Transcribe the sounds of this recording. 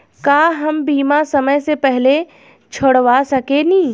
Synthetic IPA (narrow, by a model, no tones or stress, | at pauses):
kaɦɐmbiːmasɐməjsepɛɦle | t͡ʃʰoɽʋasɐkenĩː